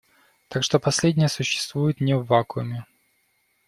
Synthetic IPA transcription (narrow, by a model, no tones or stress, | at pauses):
t̪akʂt̪opɐsʲlʲedʲnʲɪjəsʊɕːɪ̥st̪vujʊt̪nʲɪvvːakʊmʲɪ